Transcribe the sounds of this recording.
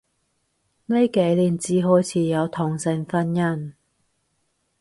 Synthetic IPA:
ne˥jke˨˥jliː˨˩nt͡siː˨˥ɦɔː˨˥jt͡sʰiː˨˧jɐ˨˧wt̪ʰʊ˨˩ŋsɪ˨˧ŋfɐ˥njɐ˥n

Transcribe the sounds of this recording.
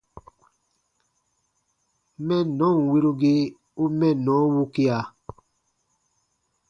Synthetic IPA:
mɛ˦nɔ˦˨ŋ˨we˦ɾo˦ɡe˦ | u˦mɛ˦˨nɔ˨˦wu˦ki˦a˨

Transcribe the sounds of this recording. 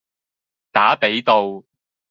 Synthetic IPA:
t̪aː˨˥pe˨˥jt̪o˨˧w

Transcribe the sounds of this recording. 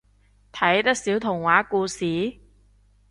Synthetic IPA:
t̪ʰɐ˨˥jt̪ɐ˥k̚siː˨˥wt̪ʰʊ˨˩ŋwaː˨˥kuː˧siː˨˥

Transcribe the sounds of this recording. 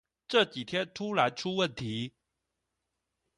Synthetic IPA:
ʈ͡ʂɤ˥˩t͡ɕi˨˩t̪ʰjɛ˥nt̪ʰu˥la˧˥ɪʈ͡ʂʰu˥wə˥˩nt̪ʰi˧˥

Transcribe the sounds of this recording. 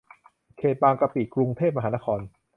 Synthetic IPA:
kʰeː˨˩t̪̚baː˧ŋka˧piː˨˩kɾu˧ŋt̪ʰeː˥˩p̚m˧aː˩˦˥na˦˥kʰɔː˧n

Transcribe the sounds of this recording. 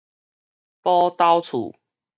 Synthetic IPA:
pɔ˦t̪a˦wt͡sʰṵ˨˩

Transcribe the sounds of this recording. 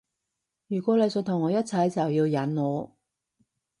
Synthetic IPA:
jyː˨˩kʷɔː˨˥le˨˧jsɵ˨˧t̪ʰʊ˨˩ŋːɔː˨˧jɐ˥t̚t͡sʰɐ˨˥jt͡sɐ˨wjiː˧wjɐ˨˥nŋɔː˨˧

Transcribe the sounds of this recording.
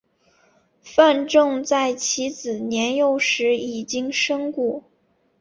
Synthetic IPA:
fa˥˧nʈ͡ʂɤ˥˧ŋt͡sa˥˩ɪt͡ɕʰi˧˥t͡sɹ̩˨˩njɛ˧˥njo˥˩ʊʂɻ̩˧˥i˨˩t͡ɕi˥ŋʂɤ˥ŋku˥˩

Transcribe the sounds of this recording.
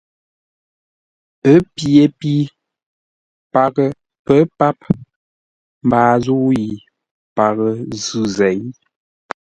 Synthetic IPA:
ə˨˦pje˨pi˦ | pa˨ɣə˨ | pə˦pa˦p | m̩˨baː˨zu˦ji˨ | pa˨ɣə˨zʉ˦zɛ˨˦j

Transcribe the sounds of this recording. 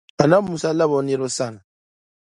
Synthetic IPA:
a˨na˦mu˨sa˦la˦βɔ˨˦nɛ˦ɾɔ˦sa˦˨ŋa˨

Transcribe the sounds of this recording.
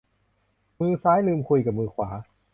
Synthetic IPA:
mɯː˧saː˦˥jlɯː˧mkʰu˧jka˨˩mɯː˧kʰwaː˩˦

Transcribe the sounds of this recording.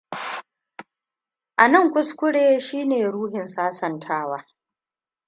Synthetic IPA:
ʔa˨nɐ˦˨ŋkʷʊ˦skʷʊ˦ɽeː˦ʃiː˦neː˨ɽuː˦hɪ˨nsaː˦sɐ˨ntʰaː˦waː˦

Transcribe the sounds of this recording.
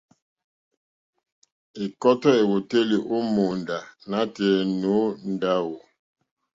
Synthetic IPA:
e˨kɔ˦tɔ˦e˨wo˨te˦li˨ʔo˦mo˨nda˨na˦tɛ˨no˨˦n˦da˦wo˨

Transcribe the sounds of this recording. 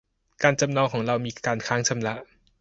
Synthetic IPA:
kaː˧nt͡ɕa˧mnɔː˧ŋkʰɔː˩˦ŋɾa˧wmiː˧kaː˧nkʰaː˦˥ŋt͡ɕʰa˧mɾa˦˥ʔ

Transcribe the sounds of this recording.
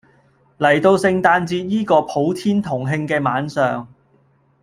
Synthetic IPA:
lɐ˨˩jt̪o˧wsɪ˧ŋt̪aː˧nt͡siː˧t̚jiː˥kɔː˧pʰo˨˥wt̪ʰiː˥nt̪ʰʊ˨˩ŋɦɪ˧ŋkɛː˧maː˨˥nsœː˨ŋ

